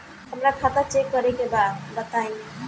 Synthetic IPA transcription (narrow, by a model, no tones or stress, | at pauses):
həmɾakʰat̪ət͡ʃekːəɾɛkebad̪bət̪aĩ